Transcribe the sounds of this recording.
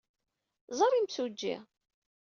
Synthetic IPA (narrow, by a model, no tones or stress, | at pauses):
zˤəɾˤimsud͡ʒːḭ